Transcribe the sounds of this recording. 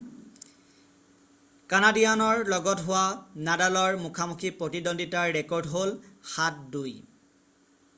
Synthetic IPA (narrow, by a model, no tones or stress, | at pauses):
kanadijanɔɹlɔɡɔtɦʊwanadalɔɹmukʰamukʰipɹotidonditaɹːɛkɔɹdɦolxat̚duj